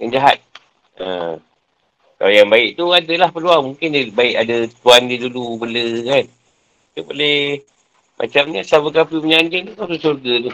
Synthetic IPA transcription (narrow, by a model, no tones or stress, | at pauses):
kənd͡ʒaɦa̰t̪̚ | ʔə̰ | ka̰lajaŋbaɪʔ̚t̪uadalahpəluaŋmuŋkɪndibaɪʔadat̪uandidulubələkan | t̪ubolɛh | mʔa̰t͡ʃamɲasabəkapiməɲand͡ʒɪŋt̪ukasəsurɡat̪u